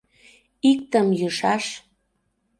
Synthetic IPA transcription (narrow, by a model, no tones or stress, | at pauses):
ik̚t̪əmjɯʃɑʃ